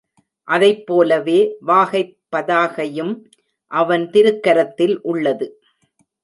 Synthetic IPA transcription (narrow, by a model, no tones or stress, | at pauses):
ʔɐðɐɪpːoːlɐʋeːʋaːɣɐɪpːɐðaːɣɐjɯm | ʔɐʋɐnt̪ɪɾɯkːɐɾɐt̪ːɪlʔʊɭːɐðɯ